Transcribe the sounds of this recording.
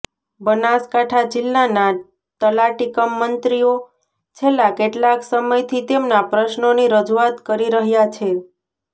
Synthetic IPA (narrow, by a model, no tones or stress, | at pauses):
bənaskaʈʰad͡ʒɪlːana | t̪əlaʈikəmːənt̪ɾijo | t͡ʃʰelːakeʈlaksəməjt̪ʰit̪emnapɾəʃnoniɾəd͡ʒuat̪kəɾiɾəɦjat͡ʃʰe